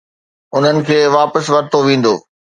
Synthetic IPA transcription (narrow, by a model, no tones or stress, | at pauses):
ʊn̤ənɪ̆kʰeːʋaːpəsʋɐɾt̪oʋĩːn̆d̪o̰ː